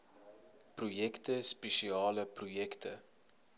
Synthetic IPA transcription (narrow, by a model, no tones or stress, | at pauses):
projɛktəspeʃiɑːləprojɛktʰə